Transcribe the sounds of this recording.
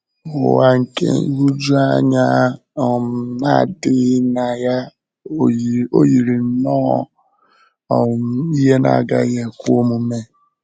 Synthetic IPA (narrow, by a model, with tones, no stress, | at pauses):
ʊ˨wa˨ŋ̩˨kḛ˦ŋ̩˦ɡu˦d͡ʒu˦a˦ɲa˦ | ɔ˨m̩˨na˦˨dɪ˦na˨ja˦ | o˦ji˨ɾi˨n̩˦nɔ̰˦˨ | ɔ˨m̩˦i˦ɦe˦na̰˨ɡa˦ɣe˨kʷu˦o˦mu˨˦me˦